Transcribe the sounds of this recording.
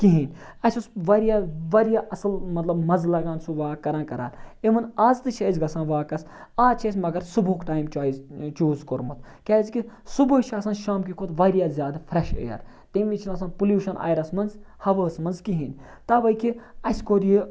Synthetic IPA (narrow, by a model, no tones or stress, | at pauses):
kiɦinʲ | ɐsʲusʋɐɾijaʋɐɾijaːʔɐsɐlmɐt̪lɐbmɐzlɐɡãːnsuʋaːkɐɾãːnkɐɾa̰ːliʋɐnaːzt̪ɨt͡ʃʰɐzɡɐsãːnʋaːkɐs | aːt͡ʃʰɐːs̬ʲmɐɡɐɾsuboːkʈaːjmt͡ʃaːizt͡ʃuːzkoɾmɐt̪ | kʲaːzkisubot͡ʃʰaːsɐ̃nʃaːmkikʰoːt̪ʋɐːɾjaːzʲjaːd̪ɐfʰɾɐʃḛjɐ̰ɾ | t̪imʋit͡ʃʰinɐs̬ãnpuljuːʃɐnʔa̰ːjɾɐsmɐnz | hɐʋəːsmɐnzkiɦinʲ | t̪aːʋɐjkiɐsʲkoɾiji